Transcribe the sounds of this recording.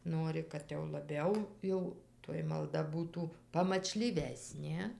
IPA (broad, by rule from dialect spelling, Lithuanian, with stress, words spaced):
ˈnuɔrʲɪ kɐt jɛʊ lˠɐˈbʲɛʊ ˈjɛʊ toːj mɐlˠˈdɐ ˈbuːtuː pɐmɐt͡ʃʲlʲiːˈʋʲæːsʲnʲeː